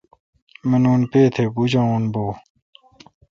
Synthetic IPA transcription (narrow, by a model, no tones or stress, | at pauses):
menuːnpeːt̪ʰebud͡ʑãːonboː